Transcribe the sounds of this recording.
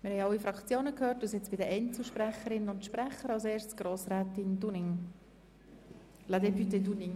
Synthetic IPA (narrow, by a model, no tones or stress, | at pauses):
mɪɾhɛɪɑlːifɾɑkt͡sjoːnəkhøːɾtusɪt͡sb̥ɪdəʔɛnt͡səʃpɾɛχəɾɪnənʊntʃpɾɛχəɾɑlseːɾstsɡ̥roːsɾɛːt̪ɪndunɪŋ | lad̪ɛpyt̪eduniŋ